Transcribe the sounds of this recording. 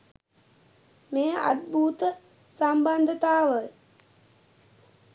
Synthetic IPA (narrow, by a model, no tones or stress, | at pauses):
meːa̰d̪̚bʱuːt̪ə | samband̪ʱət̪aːʋə